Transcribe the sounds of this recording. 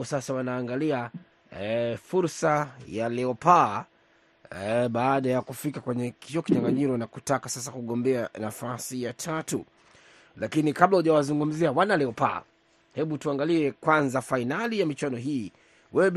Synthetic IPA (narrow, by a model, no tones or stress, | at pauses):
ɔsasawanaːŋɡalia | fuɾsajalɛɔpaː | ɓaːɗajakufikakwɛɲɛkiɔkiɲaŋɡaɲiɾɔnakutakasasakuɠɔmbɛanafasijatʰatu | lakinikaɓlahuʄawazuŋɡum̩ziawanalɛɔpa̰ː | hɛɓutuaŋɡaliɛkwanzafainalijamit͡ʃwanɔɦiː | wɛɛ